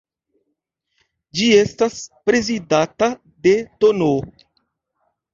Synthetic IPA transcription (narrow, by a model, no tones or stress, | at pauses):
d͡ʒie̞staspɾe̞zidata | de̞tono